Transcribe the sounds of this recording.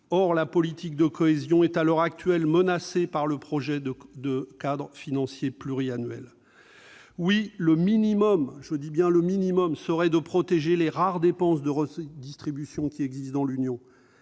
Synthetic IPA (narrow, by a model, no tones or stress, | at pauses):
ɔʁlapɔlit̪ʰik̚d̪əkʰɔezjɔ̃ɛt̪alɔʁak̚t̪ɥɛlmənasepaʁləpχɔʒɛd̪əkad̪ʁfinɑ̃sjeplyʁianɥɛ̰l | wiləminimɔmʒəd̪ibjɛ̃ləminimɔmsəʁɛd̪əpχɔt̪eʒeleʁaʁd̪epɑ̃s̬d̪əʁəd̪ist̪χibysjɔ̃kʲiɛɡzist̪d̪ɑ̃lynjɔ̃